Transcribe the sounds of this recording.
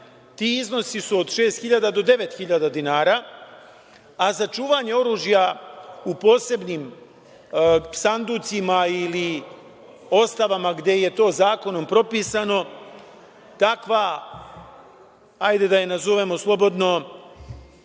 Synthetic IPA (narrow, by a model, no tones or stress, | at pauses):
t̪iːizno̞sisuod̪ʃe̞ːst̪xiʎad̪ad̪o̞d̪e̞ʋe̞t̪xiʎad̪ad̪inaːɾa | azat͡ʃuːʋaɲe̞o̞ɾuːʒjaupo̞ːse̞bniːm | sand̪ut̪simaili | o̞st̪aʋamaɡd̪je̞je̞t̪o̞ːzaːko̞no̞mpɾo̞piːsano̞ | t̪akʋa | ajd̪e̞d̪ajenazoʋe̞mo̞slˠo̞bo̞d̪no̞